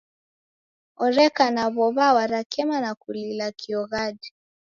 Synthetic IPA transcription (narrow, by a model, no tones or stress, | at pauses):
ɔɾɛkanaβɔβawaɾakʰɛmanakulilakiɔɣadi